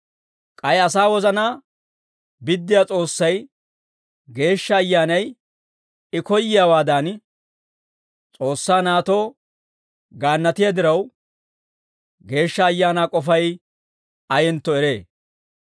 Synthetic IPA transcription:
kʼɐjɐs̬aːwɔzɐnaː | bɪd̪ːɪjaːt͡sʼo̞ːsːɐj | ɡe̞ːʃːɐːjːaːnɐj | ɪkɔjːɪjaːwaːd̪aːn | t͡sʼo̞ːsːaːnaːt̪o̞ː | ɡaːnːɐt̪ɪjad̪ɪɾɐw | ɡe̞ːʃːɐːjːaːnaːkʼɔfɐj | ɐjɛnt̪ːɔɛɾe̞ː

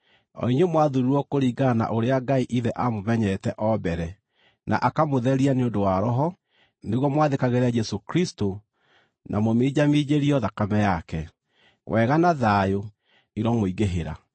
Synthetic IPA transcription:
ɔ̰iɲemwaðuɾuɔkoɾiːɡana̰ʔoɾeaɡaiʔiðɛʔamomɛɲɛtɛʔɔbɛɾɛ | nʔa̰ʔakamoðɛɾianeondowaɾɔɦɔ | neɣwɔmwaðekaɣeɾad͡ʒɛsokɾisto | nʔamomeːd͡ʒamid͡ʑeɾiɔðakamɛjakɛ | wʔɛɣanaðajo | iɾɔmoiɡeɦeɾa̰

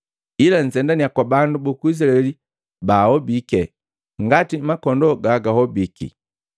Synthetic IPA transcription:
ilan̩sɛndaniakwabandubɔkuis̬laɛli | bahɔbikɛ | ŋɡatimakɔndɔɡaɡahɔbikḭ

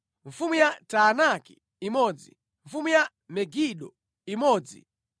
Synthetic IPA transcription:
ɱfumujataːnaki | imɔd͡zḭ | ɱfumuja | mɛɡiɗɔ | imɔːd͡zḭ

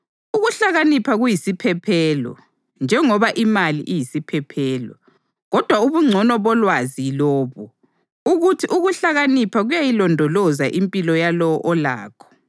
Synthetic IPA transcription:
uɣuɬaɣanipʰaɣujisipʰɛpʰɛlɔ̰ | nd͡ʒʱɛŋɔβaʔimalḭʔijisipʰɛpʰɛːlɔ̰ | ɣɔd̥ʱwauβuŋ͡ǀʱɔnɔβɔlwazilɔːβu | uɣutʰiʔuɣuɬaɣanipʰaɣujajilɔndʱɔlɔzaʔimpʼilɔjalɔɔʔɔla̰ːkʰɔ̥

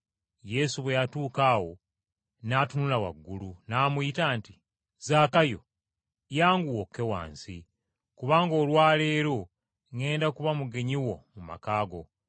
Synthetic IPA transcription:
je̞suβwe̞jatuːkaːwo̞ | naːtunulawa̰ɡːulunaːmuitaːnti | zaːkajo̞̰ | jaːŋɡuwokːe̞wa̰ːnsi | kuβaːŋɡo̞ːlwaːleːɾo | ŋe̞ːndakuβamuɡe̞ɲiwo̞muma̰kaːɡo̞̰

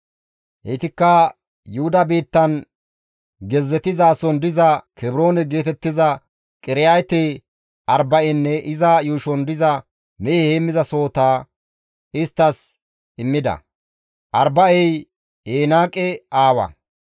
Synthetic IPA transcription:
hɛt̪ɪkːɐ | jʊhʊd̪ɐbiːt̪ːɐn | ɡɛzːɛt̪ɪzaːsɔnd̪ɪzɐkɛbɾo̞ːnɛɡe̞ːt̪ɛt̪ːɪzɐ | kʼɪɾɪjajt̪eː | ʔɐɾbɐʔɛnːɛʔɪzɐjuːʃɔnd̪ɪzɐ | mɛheːmːɪzɐso̞ːt̪aː | ɪst̪ːɐs | ɪmːɪd̪ɐ̰ | ʔɐɾbɐɛj | eːnaːkʼɛaːwɐ̰

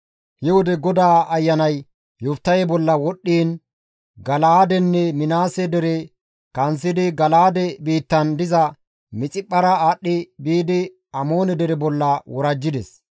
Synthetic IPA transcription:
hɪwɔd̪ɛɡɔd̪aːɐjːɐnɐj | jʊft̪ːɐjɛbɔlːɐwɔɗːiːn | ɡɐlaːd̪ɛnːɛmɪnaːsɛd̪ɛɾɛ | kɐnsɪd̪ɪɡɐlaːd̪ɛbiːt̪ːɐnd̪ɪzɐ | mɪt͡sʼɪpʼːɐɾɐaɗːɪbiːd̪ɪ | ɐmo̞ːnɛd̪ɛɾɛbɔlːɐwɔɾɐd͡ʒːɪd̪ɛs

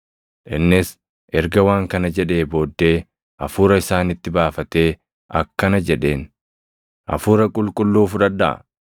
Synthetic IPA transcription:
ᶑɪnːɪs | ʔɛɾɡɐwaːŋkɐnɐd͡ʒɛᶑe̞ːbo̞ːd̪ːe̞ː | ʔɐfuːɾɐɪsaːnɪt̪ːɪbaːfɐt̪e̞ː | ʔɐkːɐnɐd͡ʒɛᶑe̞ːn | ʔɐ̰fuːɾɐkʼʊlkʼʊlːuːfʊᶑɐd̪ɐʔ

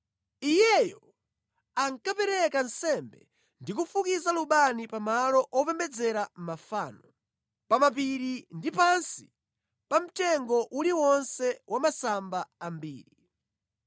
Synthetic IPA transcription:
ijɛjɔ | aŋkapɛɾɛkan̩sɛmbɛ̰ | ndik̬ufukizaluɓanipamalɔʔɔpɛmbɛd͡zɛɾam̩mafaːnɔ | pamapiɾindipansi | pam̩tɛŋɡɔʔuliwɔnsɛwʔamasambaambḭːɾi

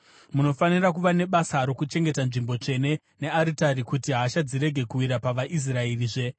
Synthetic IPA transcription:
muno̞fanirakuʋane̞ɓasaɾo̞kut͡ʃe̞ŋɡe̞tanʐimbo̞t͡ʂe̞ne̞ | ne̞aɾitaɾikutiɦaʃad͡ziɾe̞ɡʱe̞kuwiɾapaʋaʔis̬raeriʐe̞

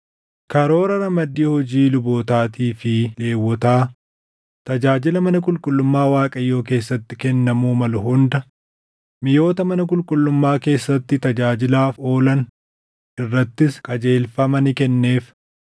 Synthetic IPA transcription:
kɐɾo̞ːɾɐɾɐmɐd̪ːiːhɔd͡ʒiːlʊboːt̪aːt̪iːfɪle̞ːwːɔt̪aː | t̪ɐd͡ʒaːd͡ʒɪlɐmɐnɐkʼʊlkʼʊlːʊmːaːwaːkʼɐjːo̞ːke̞ːsːɐt̪ːɪkɛnːɐmuːmɐlʊɦʊnd̪ɐ | mɪjo̞ːt̪ɐmɐnɐkʼʊlkʼʊlːʊmːaːke̞ːsːɐt̪ːɪt̪ɐd͡ʒaːd͡ʒɪlaːfo̞ːlɐn | ʔɪrːɐt̪ːɪskʼɐd͡ʒe̞ːlfɐmɐnɪkɛnːe̞ːf

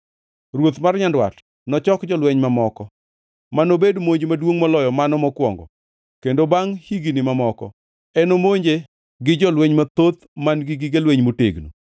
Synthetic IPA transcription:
rwot̪marɲandwa̰t | nɔt͡ʃɔkd͡ʒɔlweɲmamɔkɔ | manobedmoɲd͡ʒmadwoŋmɔlɔjɔmanɔmɔkwɔ̰ŋɡɔ̰ | kendobaŋhiɡinɪmamɔkɔ̰ | ɛnomoɲd͡ʒe | ɡɪd͡ʒɔlweɲmat̪ot̪manɡɪɡɪɡelweɲmotḛɡnṵ

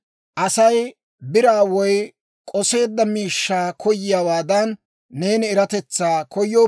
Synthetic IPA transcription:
ʔɐsɐj | bɪɾaːwɔj | kʼɔse̞ːd̪ːɐmiːʃːaːkʰɔjːɪjaːwaːd̪ɐnː | e̞ːnɪːɾɐt̪ɛt͡sːaːkʰɔjːoː

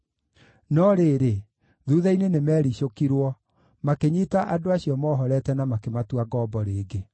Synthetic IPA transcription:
nɔɾeːɾe | ðuːðainenemɛːɾiɕokiɾwɔ | makeɲitaʔadoaɕiɔmɔːɦɔɾɛtɛnamakematuaɡɔːbɔɾeːɡe

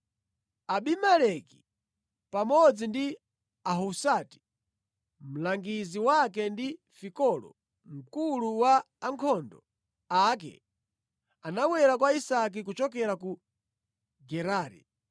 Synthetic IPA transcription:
aɓimalɛki̥ | pamɔd͡zindi | aɦusati̥ | m̩laŋɡiziwakɛndi | fikɔlɔ̰ | m̩kuluwaː | ŋkʰɔndɔ | ak̬ɛ̰ | anawɛɾakwaisak̬ik̬ut͡ʃɔk̬ɛɾaku | ɡɛɾaːɾḭ

